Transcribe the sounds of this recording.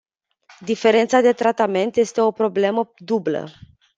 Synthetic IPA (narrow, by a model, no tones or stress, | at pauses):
d̪ife̞ɾe̞nt̪sad̪e̞t̪ɾat̪ame̞nt̪je̞st̪e̞o̞pɾo̞ble̞məd̪ublə̰